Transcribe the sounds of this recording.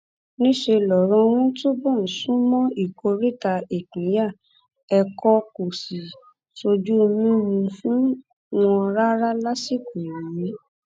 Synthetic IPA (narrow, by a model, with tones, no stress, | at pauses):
nĩ˦ʃe˧lɔ˨ɾɔ̃˧w̃ũ˦to˦bɔ̃˦˨sũ˦mɔ̃˦i˦˨ko˧ɾi˦˨ta˧e˨kũ˨˦ja˦˨ | ɛ˧kɔ˧ko˨si˨ | to˧d͡ʒu˦o˧mĩ˦mũ˧fũ˦ | w̃ɔ̃˧ɾa˦ɾa˦la˦si˦˨kũ˨jĩ˨jĩ˨˦